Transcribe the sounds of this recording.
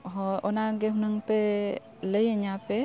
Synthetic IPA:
ɦɔɔnaɡeɦunɯŋpe | ləjəɲape

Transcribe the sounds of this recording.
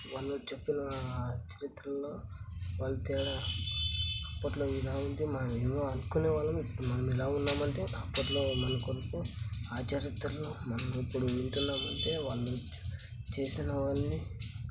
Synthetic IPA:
ʋaːɭːut͡ʃe̞pːinɐt͡ʃɐɾit̪ɾɐmlo̞ːʋaːɭːut̪ɛːɽɐ | ɐpːɐʈlo̞ːilaːund̪imɐnɐmeːmoɐnkuneːʋaːɭːɐmipːuɽumɐnɐmilaːunːaːmɐɳʈeːɐpːɐʈlo̞ːmɐnɐkonpuaːt͡ʃɐɾit̪ɾɐloːmɐnɐmipːuɽuiɳʈunːaːmɐɳʈe̞ːʋaːɭːu | t͡ʃe̞ːsinɐʋɐnːi

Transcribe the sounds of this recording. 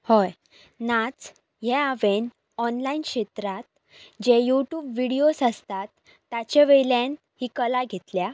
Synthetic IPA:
hɔj | nat͡s | jɛaʋen | ɔnlainkɕet̪ɾat̪̚ | d͡ʑejuʈjuːbʋiɽijosəst̪at̪ː | at͡ɕeʋelẽn | hiːkəlaɡʱet̪lja

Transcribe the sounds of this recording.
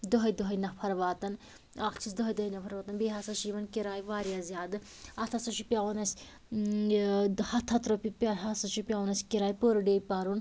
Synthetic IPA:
d̪oɦɐjd̪oɦɐjnɐpʰɐɾʋaːt̪ɐn | aːkʰt͡ʃʰis̬d̪oɦɐjd̪oɦɐjnɐpʰɐɾʋaːt̪ɐnbeːɦaːsɐʃiːʋɐnkiɾaːjʋaːɾjaːzʲjaːd̪ɨ | ɐt̪ʰɐsɐt͡ʃʰupʲjaʋonɐsʲ | hɐt̪ʰːɐt̪ɾopipʲɐɦasɐt͡ʃʰupʲjawnɐsʲkiɾaːjpoːɾɖeːpaːɾun

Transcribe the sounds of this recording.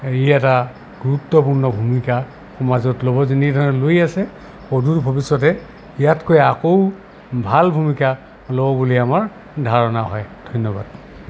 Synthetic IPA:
ijata | ɡuɹutːɔpuɹnɔbʱumika | xɔmazɔtlobɔzinidʱɔɹɔlojasɛ | xodutbʱɔbisːɔtɛ | ijatkojakow | bʱalbʱumika | lobɔbuliamaɹ | dʱaɹɔnaɦɔjd̥ʱɔjnːɔba̰d̥̚

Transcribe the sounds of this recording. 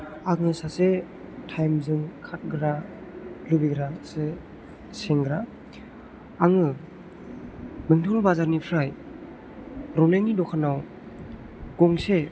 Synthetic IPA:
aŋɯsase | tʰajmzɯŋkʰat̚ɡɾa | lubiɡɾase | seŋɡɾa | aŋɯ | mɯŋtʰɯlbazaɾnipʰɾaj | ɾɔneŋnidɔkʰanaw | ɡ̥ɔŋse

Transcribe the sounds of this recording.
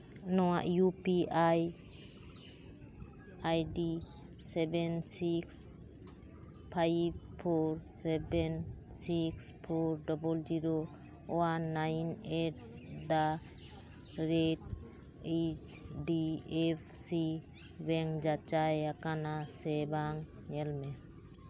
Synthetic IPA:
nɔwa̰ʔjupiʔaj | ajɖi | sɛbɛnsiks | pʰajb̚pʰoɾsɛbɛn | sikspʰoɾɖɔbɔld͡ʒiɾo | wanːajneʈ̚d̪a | ɾet | et͡ʃ | ɖiep̚ʰsi | bɛŋd͡ʒat͡ʃajakanasɛbaŋ | ɲɛlmɛ

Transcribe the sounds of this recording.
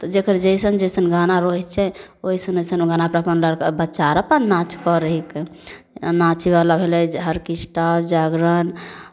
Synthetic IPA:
t̪ɔd͡ʒekəɾd͡ʒəjsənd͡ʒəsənɡanaɾoɦit̪t͡ʃʰɛoisənəsənɡanapɾapənləɾkebətːt͡ʃaɾapəɾnat͡ʃkɔɾəɦik | nat͡ʃibalabʱelɛd͡ʒɦəɾkisʈapʰd͡ʒaɡɾən

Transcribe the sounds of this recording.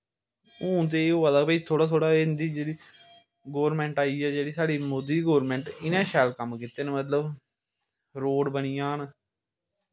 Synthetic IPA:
ũːt̪eːoːələɡpəiːt̪ʰoːɽaːt̪ʰoːɽaːɪnd̪iːd͡ʒeːɽiː | ɡoːʋɾmɛ̃ːɳʈaːiːɛːd͡ʒeːɽiːsaːɽiːmoːd̪iːiɡoːɾmɛ̃ːɳʈɪnɛ̃ːʃaːlkəmkɪt̪ːeːnemət̪ləb | ɾoːɽbənijãːn

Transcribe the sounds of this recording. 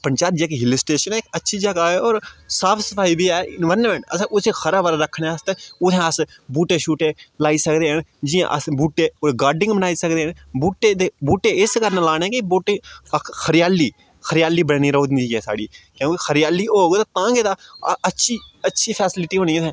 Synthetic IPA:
pəɲt͡ʃaːt̪d͡ʒeːkeɦɪlɪsʈeːʃənɛːkətːʃʰiːd͡ʒəɡaːɛːɔːɾsaːpʰsəpʰaːiːbiːɛːɪnʋəɾnmẽɳʈəsʔʊseːxʰəɾaːbəɾaɾəkʰːneəst̪ẽːʊt̪ʰẽəs | buːʈeːʃuːʈeːlaːiːsəkd̪eːɦənd͡ʒɪjã̰ːʔə̰sbuːʈeːoɡaːɾɖɪ̃ŋɡbənaːiːsəkd̪eːɦən | buːʈeːd̪eːbuːʈeːɪskəɾnãlaːñeːkɪbuːʈẽkʰəɾɪjaːliː | kʰəɾɪjaːliːbəɽːniːɾoːd̪nd̪iːɦɛːsa̰ːɽiːkjõːkexʰəɾɪjaːliːoːɡt̪ãːt̪ãːŋɡeːd̪aːətːʃʰiːətːʃʰiːpʰɛːsɪlɪʈiːɦõːñiːt̪ɛ̃ː

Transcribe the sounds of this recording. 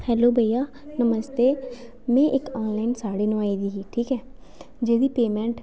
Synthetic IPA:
hɛːloːbəjjaː | nəməst̪eː | mɛ̃ːʔɪkaːnlaːɪnsaːɽeːnũːaːiːd̪iːɦiːʈʰiːkɛː | d͡ʒeːd̪iːpeːmɛ̃ːɳʈ

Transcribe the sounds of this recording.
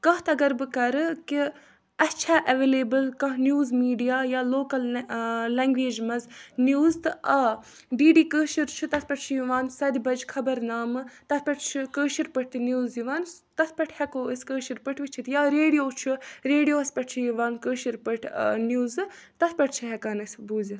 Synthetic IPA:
kɐɦt̪ɐɡɐɾbɨkɐɾɨki | ɐt͡ʃʰaːʔɐʋeːleːbɨlkɐ̃ɦnʲjuːzmiːɖijaːjaːloːkɐllɛŋɡʋeːd͡ʒmɐznjuːzt̪ɨʔɐ | ɖiːɖiːkəːʃiɾt͡ʃʰut̪ɐt̪̚ʰpɐʈ̚t͡ʃʰijiʋaːnsɐd̪ʲbɐd͡ʒkʰɐbɐɾnaːmɨt̪ɐspɐʈt͡ʃʰikəːʃiɾpɨʈ̚ʰt̪ɨnjuːziʋaːnt̪ɐsʰpɐʈʰhɛkoːəsʲkəːʃiɾpɨʈʰʋit͡ʃʰit̪jaːɾeːɖijoːt͡ʃʰuɾeːɖijoːɐspɐʈʰt͡ʃʰijiʋaːnkəːʃiɾpɨʈʰnjuːzt̪ɐt̪ʰpɐʈʰt͡ʃʰiɦɛkaːnɐsʲbuːzi

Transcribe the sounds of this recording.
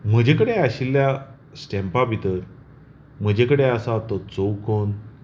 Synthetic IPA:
m̤əd͡ʑekəɽeaɕilːja | sʈɛ̃mpapit̪əɾ | m̤əd͡ʑekəɽeasat̪ɔt͡sowkɔn

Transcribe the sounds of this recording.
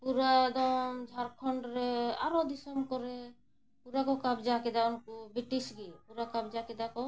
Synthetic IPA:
puɾad̪ɔmd͡ʒʱaɾkʰɔɳɖɾɛa̰ɾɔd̪isɔmkɔɾɛ | puɾakɔkabd͡ʒakɛd̪aɔnkubiʈisɡipuɾakabd͡ʒakɛd̪akɔ

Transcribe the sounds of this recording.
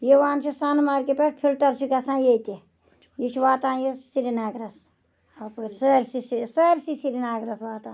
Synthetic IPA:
jeʋaːnt͡ʃʰisaːnmaːɾʲkepʲeʈ̚ʰpʰilʈɐɾt͡ʃʰikɐsãːjet̪e | jit͡ʃʰʋaːt̪aːjissiɾinaːɡɾɐs | apuɾʲsɐɾsisisɐɾsisiɾinaːɡɾɐsʋaːt̪ãː

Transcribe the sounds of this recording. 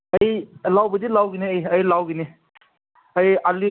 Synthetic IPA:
ɐjlawbɐdilawɡineəjɐjlawɡini | ɐjali

